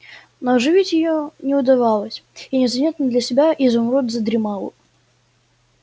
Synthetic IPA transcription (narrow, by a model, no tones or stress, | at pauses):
noɐʐɨvʲitʲjɪjonʲɪʊd̪ɐvɑlˠəsʲinʲɪzɐmʲet̪nəd̪lʲəsʲɪbʲaʔizʊmrot̪ʲzəd̪ɾʲɪmalˠʊ̰